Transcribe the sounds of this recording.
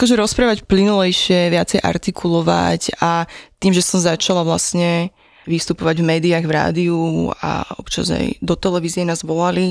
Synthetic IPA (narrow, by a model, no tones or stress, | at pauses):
akɔʒɛɾɔspɾaːʋacplinulɛjʃɪɛʋɪat͡sɛjʔa̰ɾt̪ikʰulɔʋa̰cat̪iːmʒɛsɔmzat͡ʃalaʋlasɲɛ | ʋist̪upɔʋaɟvmɛːd̪iaɣvɾa̰ːd̪iua̰ɔ̰pt͡ʃa̰za̰jd̪ɔt̪ɛlɛʋizɪjɛnaːzʋɔlali